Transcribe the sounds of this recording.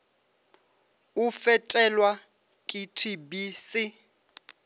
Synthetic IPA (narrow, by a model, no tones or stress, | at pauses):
ʊfɛtʼɛlwa | kʼitʰibisɪ